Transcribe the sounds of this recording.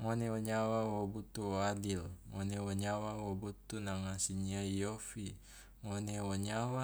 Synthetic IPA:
ŋoneɔɲawawobut̪uoadilŋonewoɲawawobut̪ːunaŋasiɲajofi | ŋoneoɲawa

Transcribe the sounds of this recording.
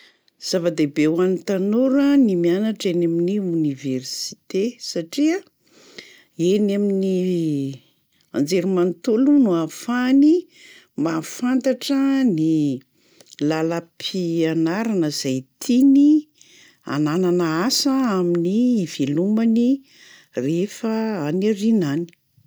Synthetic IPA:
z̥avad̪ebewanit̪anuɾənimianaʈ͡ʂenaminiuniversi̥t̪esaʈ͡ʂiə | enamini | and͡zeɾumant̪ulunuafani | mafant̪aʈ͡ʂəni | laləpʰianaɾanəzajt̪ʰini | a̰nananəasəaminiːvelumani | refəanarinani̥

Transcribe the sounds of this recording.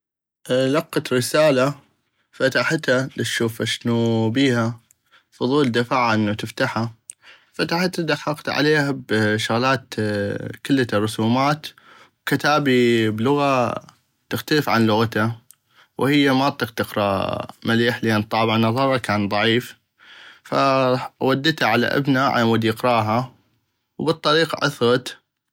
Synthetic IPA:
lɑqːɑt̪ɾɪsaːla | fat̪aħɪt̪halɪt̪ʃuːfaʃnubiːha | fʊðˤuːld̪afaːʕaʔənːut̪ɪft̪aħa | fat̪aħat̪ːad̪aħːɑqt̪ʕa̰leːhabʃʊɣlaːt̪ | kɪlːarˤʊsuːmaːt̪ | wkɪt̪aːbiblʊɣa | t̪ɪxt̪aləfʕanlʊɣat̪a | whɪjːamɑt̪ˤɨqt̪ɪqɾˤɑ̰maliːħlʔant̪ˤːɑːbɪʕnɑðˤɑɾˤɑkaːnðˤɑʕiːf | fa̰wad̪ːɪt̪haʕala̰ʔa̰bnaʕa̰awʊd̪jɪqɾˤɑːɦa | wbɨt̪ˤːɑɾiːqʕʊ̰θɣɑt̪

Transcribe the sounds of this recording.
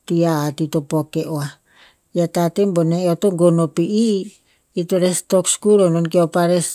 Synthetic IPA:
tiaːtitopokeʔoa | jatatemboneotoŋɡonopiʔiː | toɾestokskuɾononkeopaɾes

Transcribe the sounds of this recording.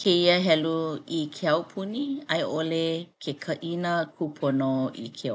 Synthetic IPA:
kʰeiəɦɛluikʰeɐwpʰuniɐjʔolekʰekʰɐʔinəkʰupʰonoḭkʰe

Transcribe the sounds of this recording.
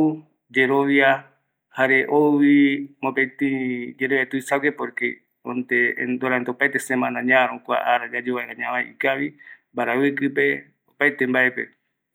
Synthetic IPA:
u | d͡ʒeɾoʋia | haɾeʔoβimopet̪ĩd͡ʒeɾoet̪uisaɡepoɾke | õnt̪ḛnd̪oɾant̪eopajt̪esemãnãɲãɾõkʷa̰ʔaɾad͡ʒad͡ʒeβaeɾãɲãβajikaβimbaɾaekɨpe̞ | opajt̪embaepḛ

